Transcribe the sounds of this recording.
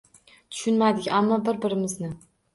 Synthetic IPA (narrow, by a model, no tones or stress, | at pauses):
t̪ʰʊ̥ʃʊnmad̪ɪkʲamːɒbɪɾbɪɾɪmɪznɪ